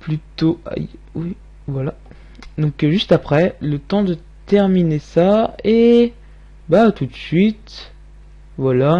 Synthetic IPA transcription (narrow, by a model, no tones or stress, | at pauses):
plyt̪oa̰jwi | vwala | d̪ɔ̃kʒyst̪apχɛlət̪ɑ̃d̪ə | t̪ɛʁminesae | bat̪ut̪sɥit̪ | vwala